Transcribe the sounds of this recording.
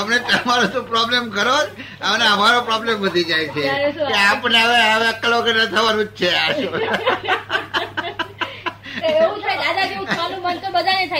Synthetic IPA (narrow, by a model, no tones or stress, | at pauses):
əmnet̪əmaɾot̪ũpɾɔblemkəɾod͡ʒ | əmneəmaɾopɾɔblemʋəd̪ʱid͡ʒajt͡ʃʰeeapəɳeəʋeəʋeəkːəloɡəɾnət̪ʰəʋanũd͡ʒt͡ʃʰeaʃu | ũt͡ʃʰad̪ad̪ʱaeanũmənt̪obəd̪ʱanet̪ʰa